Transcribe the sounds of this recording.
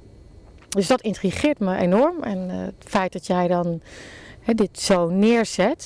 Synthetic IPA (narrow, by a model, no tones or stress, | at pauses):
døsdɔtɪntriχɪətməʔenɔɹmɛ̰nətfɛjt̚dɔtjɛjdɔn | hɛdɪtsownɪːəɹsɛt